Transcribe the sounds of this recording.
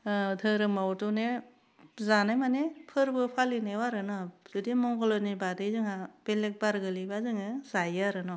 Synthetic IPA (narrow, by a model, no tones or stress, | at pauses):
tʰɯɾɯmawtune | zanajmanepʰɯɾbɯpʰalinewaɾɯnɔz̥ɯdimɔŋɡɔlɔnibadɯjzɯŋab̥elek̚baɾɡɯlibazɯŋɯzajɯaɾɯnɔ